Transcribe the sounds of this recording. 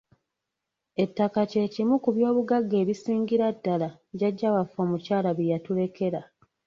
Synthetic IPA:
e̞tːakace̞ːcimukuβjo̞ːβuɡaɡːe̞ːβisiːɲɟiɾadːala | ɟaɟːawafoːmucaːlaβijatule̞ke̞ɾa

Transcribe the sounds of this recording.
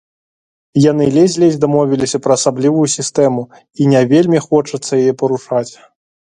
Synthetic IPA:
jan̪ɨlʲɛzʲlʲɛzʲd̪amɔvʲilʲisʲɐpɾɐːsablʲivujusʲist̪ɛmu | inʲavʲelʲmʲixɔt͡ʂɐt̪sːɐjajɛpɐɾuʂat͡sʲ

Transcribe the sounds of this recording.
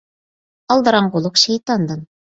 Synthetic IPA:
ɑlˠd̪ɤ̆ɾɑɴqulˠɤqʃejt̪ɑnd̪ɤn

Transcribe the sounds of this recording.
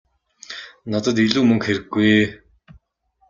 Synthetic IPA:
nat̪ə̆t̪iɮuːmɵŋkxeɾɘ̆ɡːuj

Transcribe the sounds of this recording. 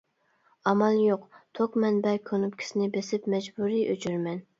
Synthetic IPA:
ɑmɑlˠjoqt̪ʰokmɛnbɛkʲʰønupkʲʰi̥sɪnɪbesɪpmɛd͡ʒbuɾiʔøt͡ʃʰyɾmɛn

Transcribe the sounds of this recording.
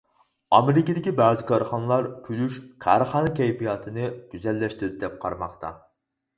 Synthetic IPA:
ɑmeɾɪkʲid̪ɪkʲibɑːzɪkʰɑɾχɑnlˠɑɾkʲʰylyʃkʰæ̰ɾχɑnkʲʰɛjpijɑːt̪ʰɨnɨɡ̥ʲyzɛlːɛʃt̪ɪɾɪd̪ɪd̪ɛp̚qʰɑ̰ɾmɑχt̪ʰɑ̰

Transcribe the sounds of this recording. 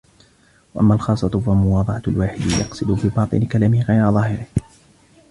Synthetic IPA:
waʔamːaːlxɑːsˤːɑt̪falmʊwɑːd̪ˤɑʕɑlwaːħɪd̪ɪjɑ̰qsˤɨd̪ʊfiːbɑːt̪ˤɨ̰nɪkalaːmɪhɪɣajɾaðˤɑːhɪɾɪh

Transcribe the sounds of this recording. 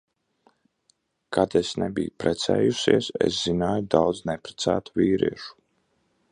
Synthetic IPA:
kʰad̪esnɛbḭjupɾɛt̪sɛ̰ːjusiɛsɛ̰sz̥inaːjud̪awd̪znɛpɾɛ̥t̪sæ̰ːt̪u̥viːɾiɛʃu̥

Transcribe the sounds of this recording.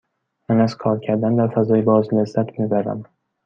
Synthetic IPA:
mænæz̥kʰɒːɾcʰæɾd̪ænd̪æɾfæzɒːjebɒːzlæzːæt̪ʰmibæɾæ̰m

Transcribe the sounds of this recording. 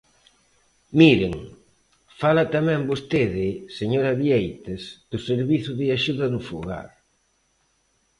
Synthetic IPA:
miɾɪŋ | falɐt̪amɛ̃mbost̪eðɪseɲoɾɐβiejt̪ɪzd̪̥ʊseɾβiθʊðɪaʃuðɐnʊfuɣa̰ɾ

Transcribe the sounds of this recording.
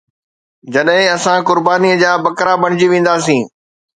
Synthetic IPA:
d͡ʑɐɗɦɪ̃ɐsãkʊɾbaːniəd͡ʑaːbɐkɾabɐɽ̃d͡ʑiʋẽːn̆d̪aːsĩː

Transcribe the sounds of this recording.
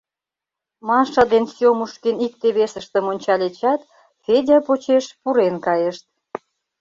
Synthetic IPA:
mɑʃɑd̪ensjomuʃkenik̚t̪eβesə̆ʃt̪ə̆monʲt͡ɕɑlʲet͡ɕɑt̪ | fedʲɑpot͡ɕeʃpuɾenkɑjeʃt̪̚

